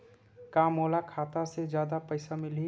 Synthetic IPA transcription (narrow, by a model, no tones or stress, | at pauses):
kaːmoːlakʰaːt̪ased͡ʒjaːd̪apəɪsamɪli